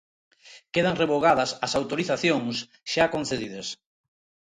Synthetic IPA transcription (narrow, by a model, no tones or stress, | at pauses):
keð̞ɐŋreβoɣaðɐsɐsawt̪oɾiθaθjoŋs | ʃakonθeðið̞ɐs